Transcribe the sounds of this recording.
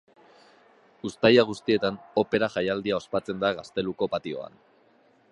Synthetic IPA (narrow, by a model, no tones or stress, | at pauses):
ust̪ajaɣ̞ust̪ie̞t̪ano̞pe̞ɾaʝajald̪iao̞spat͡se̞nd̪aɣast̪e̞luko̞pat̪io̞̰a̰n